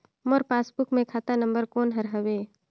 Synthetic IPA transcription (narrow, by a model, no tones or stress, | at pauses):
mɔɾpaːsbʊkmẽkʰaːt̪anə̃mbəɾkoːnɦɐɾɦɐʋeː